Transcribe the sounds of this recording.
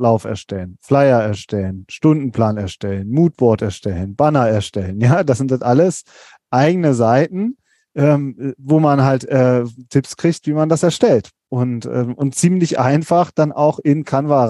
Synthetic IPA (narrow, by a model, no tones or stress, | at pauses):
laʊfɛ̰ɐʃtɛlənflaɪɐɛɐʃtɛlənʃtʊndn̩pl̥aːnɛɐʃtɛlənmuːtb̥ɔɐtɛɐʃtɛlənb̥anɐɛɐʃtɛlənjaːd̥as̬zɪntatʔaləs | ʔaɪɡənəzaɪtn̩ | ʔɛːmvoːmanɦaltʔɛːtʰɪpskʁ̥içtv̥iːmandasɛɐʃtɛlt | ʔʊntʔɛ̰ːmʔʊntt͡siːmlɪçʔa̰ɪnfaχd̥anʔa̰ʊxɪnkʰanva